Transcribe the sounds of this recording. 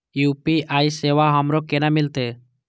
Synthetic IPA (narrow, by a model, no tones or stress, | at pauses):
jupiajsewaɦɔmɾɔkenamilt̪e